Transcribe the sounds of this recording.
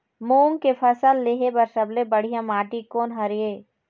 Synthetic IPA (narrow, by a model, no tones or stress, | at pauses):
muːŋkefʰɐsəlːeːɦebɐɾsɐblebɐɽ̤ijãmaːʈikoːnɦɐɾijeː